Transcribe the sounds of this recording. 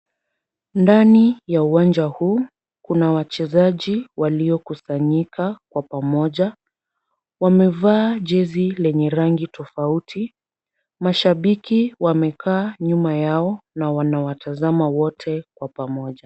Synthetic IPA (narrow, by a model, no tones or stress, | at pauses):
ndanijauwand͡ʒahuː | kunawat͡ʃɛzaʄiwaliɔkusaɲikʰakwapamɔʄa | wamɛvaːʄɛzilɛɲɛɾaŋɡitɔfautʰi | maʃaɓikiwamɛkʰaːɲumajaɔnawanawatʰazamawɔtʰɛkwapamɔʄa